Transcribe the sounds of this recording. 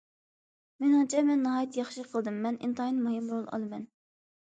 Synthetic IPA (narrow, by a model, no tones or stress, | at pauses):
mɪnɑnt͡ʃʰɛmɛnːɨɦɑːjit̪ʰjɑχʃiqʰəlˠd̪ɨmːɛnʔḭnt̪ʰɑːinmuhɨmɾolˠɑ̰lˠɨmɛn